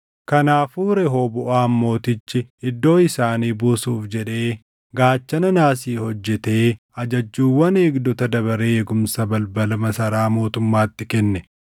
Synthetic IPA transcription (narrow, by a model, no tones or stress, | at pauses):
kɐnaːfuːɾɛɦoːbʊʔaːmːo̞ːt̪ɪt͡ʃːɪɪd̪ːo̞ːɪsaːniːbuːsuːfd͡ʒɛᶑe̞ː | ɡaːt͡ʃːɐnɐnaːsiːhɔd͡ʒːɛt̪e̞ː | ɐd͡ʒɐd͡ʒːuːwːɐneːɡd̪ɔt̪ɐd̪ɐβɐɾeːjɛɡʊmsɐbɐlbɐlɐmɐsɐɾaːmo̞ːt̪ʊmːaːt̪ːɪkɛnːɛ